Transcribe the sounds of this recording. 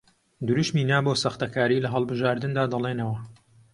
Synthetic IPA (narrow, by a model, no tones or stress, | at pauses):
d̪uɾuʃmiːnaːboːsɐxt̪ɐkaːɾiːlɐɦɐlˠbɨʒaːɾd̪ɨnd̪aːd̪ɐlˠenɐwɐ